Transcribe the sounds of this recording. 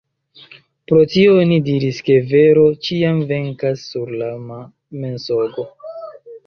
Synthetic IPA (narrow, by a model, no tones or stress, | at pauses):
pɾo̞tionidiɾiske̞ve̞ɾo̞t͡ʃiamve̞ŋkasːuɾlama | me̞nsoɡo̞